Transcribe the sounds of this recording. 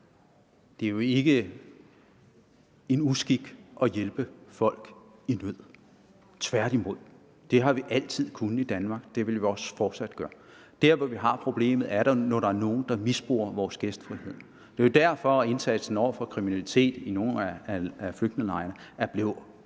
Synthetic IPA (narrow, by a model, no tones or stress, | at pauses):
d̥e̝ɐjo̝e̝ɡ̥ə | e̝nusɡ̥iɡ̥ʔɒ̽jelb̥əfɒ̽l̰ɡ̥ | inøð̰ˠ | t͡sʰʋæɐ̰ɾ̥imo̝ð̰ˠ | d̥e̝ɦɑ̈ʋiʔæl̰t͡sʰið̰ˠkʰunəid̥ænmɑ̈ːɡ̥d̥e̝ʋe̝lʋiɒ̽sfɒːd̥sæd̥̚ɡ̥ɶːɐd̥æɐ̰ʋɒʋiɦɑ̈pʰʁo̝b̥le̝̰ːmð̩ˠæɐɾ̥ɑnɒɾ̥ɑ̈æɐno̝ːn̩d̥ɑ̈misb̥ʁo̝̰ːɐʋɒːsɡ̥esd̥fʁihe̝ð̞̰ˠ | d̥e̝ɐjo̝d̥æɐ̰fɒ̽e̝nsæd̥sn̩ɒʊ̰ɐfɒ̽kʰʁiminælit͡sʰe̝̰ːd̥ino̝ːn̩ææfløɡ̥̚d̥ne̝ŋlɑ̈ɪɐnəæɐb̥le̝ʊ